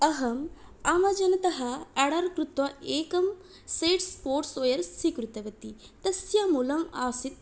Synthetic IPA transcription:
ɐɦɐmaːmɐd͡ʒɐnɐt̪ɐɦɐɐɽɐɾkɾut̪ʋɐʔeːkɐm | seːʈspoːɾʈsoːjɐɾsikɾut̪ɐʋɐt̪i | t̪ɐsjamulɐmaːsit̪̚

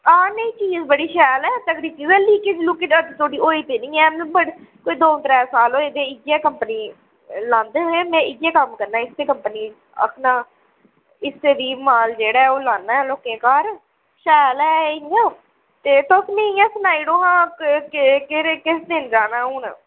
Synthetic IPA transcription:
aːnẽĩːt͡ʃiːzbəɽiːʃɛːlɛːt̪əkɽiːt͡ʃiːzə̃ːliːkɪslʊkeːəd̪t̪ʰoːɽiːoːiːt̪eːnɪĩːɛːmbəɽkoːiːd̪oːnt̪ɾɛːsaːloːeːd̪eːɪɡjɛːkəmpəniː | lãːnd̪eːoeːmɛ̃ːɪɡɛːkəmkəɾnaːɪst̪eːkəmpəniː | ə̰kʰnaː | ɪst̪eːd̪iːmaːld͡ʒeːɽaːɛːoːlãːnːaːɛːloːkẽːkaːɾ | ʃɛːlɛːãː | t̪eːt̪osmĩːɪjãːsnaːiːɽoːɦãː | keɾekɪsd̪ɪnd͡ʒaːnãːʊːn

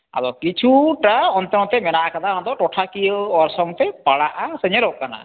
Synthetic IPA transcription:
a̰dɔkit͡ʃʰuʈaɔnt̪ɔŋɔt̪ɛmɛnaʔakad̪aɦɔd̪ɔʈɔʈʰakijəɔɾsɔŋt̪ɛpaɽaʔasəɲɛlɔʔkana̰

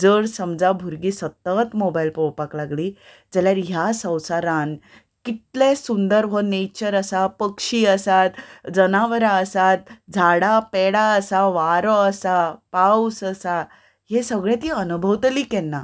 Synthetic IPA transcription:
d͡zəɽsəmd͡zabʱuɾɡiːsət̪ət̪mobailpowpaklaɡliː | d͡zəljaɾɦjasə̃w̃saɾan | kit̪lesund̪əɾʋənet͡ɕəɾəsapəkʂiːəsat̪d͡zənaʋəɾaəsat̪̚d͡zʱaɽapɛɽaəsaʋaɾɔəsapausəsa | ɦesəɡɭɛ̃t̪iənubʱəʋt̪əliːkɛnːa

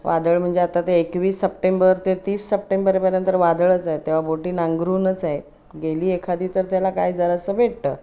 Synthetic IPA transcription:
ʋʔa̰d̪əɭm̤əɳd͡zeat̪at̪eːkʋiːsːəp̚ʈembəɾt̪et̪iːsːəp̚ʈembəɾepəɾjənt̪əɾʋad̪ɭət͡saɦet̪ːeʋ̤aboʈiːnãŋɡɾuːnət͡saɦe | ɡeliːekʰad̪iːt̪əɾt̪jalakajd͡zəɾəsəbʱeɽt̪əː

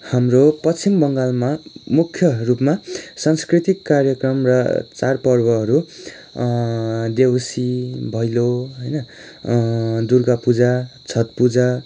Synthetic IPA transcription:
hamropʌt͡sʰimbʌŋɡalmamukʰːjʌrupmasãnskrit̪ikːarjʌkrʌmrʌ̰t͡sarpʌrbʌɦʌɾu | d̪ewsibʱʌjloɦʌjnʌ | d̪urɡapud͡zat͡sʰʌt̪̚pud͡za

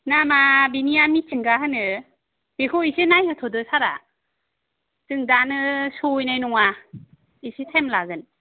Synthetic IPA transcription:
namabinijamit͡ʃʰiŋɡahɯnɯ | bekʰoisenajhɯtʰɔdɯsaɾa̰ | tɯŋdanɯsojnajnɔŋa | isetʰemlaɡɯn

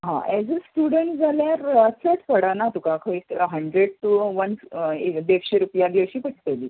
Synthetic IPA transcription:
ɦã̰ʔɛd͡zəsʈuɽəɳʈd͡zʱaljaɾəsəʈʰpəɽanat̪ukãkʰəikɦəɳɖɾeɽ̚ʈuʋəned̪ekɕeɾupjaɡəɕiːpəʈʰt̪eliː

